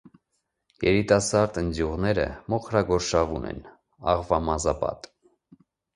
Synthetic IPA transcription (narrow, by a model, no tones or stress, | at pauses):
jɛɾit̪ɑsɑɾd̪ənd̪juʁnɛɾə̰mɔχɾɑɡɔɾʃɑvunɛ̰n | ɑʁvɑmɑzɑpɑ̰t̪